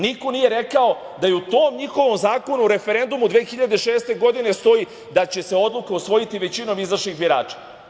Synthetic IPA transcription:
niko̞nije̞ɾekao | d̪ajeut̪o̞ːmɲixoʋo̞mzaːko̞nuɾe̞fe̞ɾe̞nd̪umud̪ʋeːxiʎad̪eʃeːst̪e̞ɡo̞d̪ine̞st̪o̞i | d̪at͡ɕe̞se̞o̞d̪lˠukausʋo̞jit̪iʋe̞t͡ɕino̞mizvaʃɲixbjiɾa̰ːt͡ʃḁ

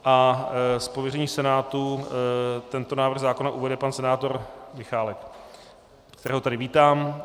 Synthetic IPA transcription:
ʔaspovjɛrɛɲiːsɛnaːt̪u | t̪ɛnt̪onaːvɾr̩ɣzaːkonaʔuvɛdɛpansɛnaːt̪o̞ɾmɪxaːlɛk | kt̪ɛɾɛːɦot̪adɪviːt̪aːm

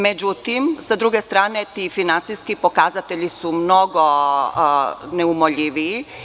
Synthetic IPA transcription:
med͡ʑut̪imsad̪ɾuɡest̪ɾaːnet̪iːfinant̪sijskipokazat̪eʎisumno̞ɡo | neumoʎiʋii

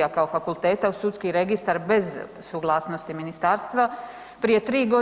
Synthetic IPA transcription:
akaofakulˠt̪e̞ːt̪ausut̪skiɾe̞ɡist̪aɾbe̞z | suɡlˠaːsno̞st̪iminist̪aːɾst̪ʋa | pɾije̞t̪ɾiːɡo̞

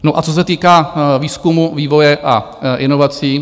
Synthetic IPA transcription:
noʔat͡so̞s̬ɛt̪iːkaːviːskumuviːvo̞jɛʔa | ʔɪno̞vat͡siː

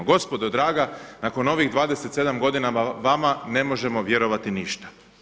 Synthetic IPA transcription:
ɡo̞spo̞d̪od̪ɾaːɡanako̞no̞ʋiɣd̪ʋaːd̪e̞set̪se̞d̪amɡo̞d̪inamaʋamane̞mo̞ʒe̞mo̞ʋje̞ɾo̞ʋat̪iniʃt̪ḁ

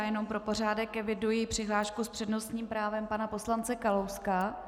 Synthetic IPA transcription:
jɛno̞mpɾo̞po̞r̝aːdɛkɛvɪdujipr̝̥ɪɦlaːʃkuspr̝̥ɛdno̞sɲiːmpɾaːvɛmpanapo̞slant͡sɛkalowska

